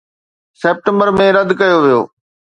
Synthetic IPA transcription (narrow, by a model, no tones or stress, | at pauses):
seːp̚ʈə̃mbəɾmẽɾɐd̪kɐjoʋijo̰ː